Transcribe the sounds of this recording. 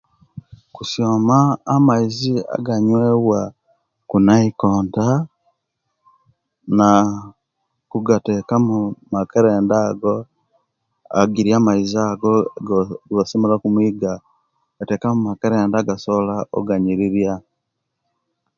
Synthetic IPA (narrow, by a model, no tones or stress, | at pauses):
kusjomaːmaizia̰ɡaɲweːɣwa | kunaikoːnta | na | kuɡatekamumakaɾeːndaːɡo | a̰ɡiɾiaːmaizaɡoɡɡosimeɾakumwiːɡa | ɡ̥ate̞ːkamumakaɾeːndaɡasolao̰ɡaɲiɾiɾja